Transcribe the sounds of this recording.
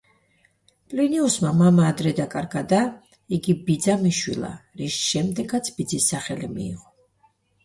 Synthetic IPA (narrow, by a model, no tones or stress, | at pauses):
pʼliniusmamamaːd̪ɾɛd̪akʼaɾɡad̪a | iɡibid̪zamiʃwḭlˠa̰ɾiʃʃɛmd̪ɛɡat̪sʰb̥id̪zisːaχɛlimḭːʁɔ